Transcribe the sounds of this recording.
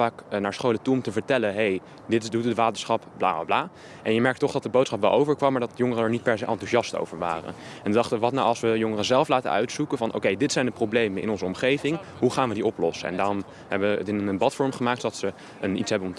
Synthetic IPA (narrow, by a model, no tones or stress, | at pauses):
aːknaːɹsχowlətuɔmtəvəɹtɛlənɦej | dɪtɪdutətʋaːtəɹsχɑpbla̰ːbla̰ːblaː | ʔɛnjəmɛɹk̚tɔχdɑt̚dəbowtsχɑpʋɛlˠʔowvəɹkʋɑmːaɹdɑtjʊŋərənɛɹnit̚pɛɹsejʔɑ̰ntuʒɑsto̰wvəɹʋa̰ːrə̰nɛnədɑχtəʋɑtnawɑlˠsʋəjɔŋərəzɛlˠflaːtə̰œ̰ɥtsukənvɑnʔo̰wkejdɪtsɛjndəprowblejmənɪ̰nɔnzəɔmχejvɪŋɦuχaːnʋədiɔplɔsəɛ̰ndaːrɔm | hɛbəʋəə̰tɪnənəbɑtfɔɹmχəmaːk̚tsodɑtsə | ənḭtsɦɛbənɔm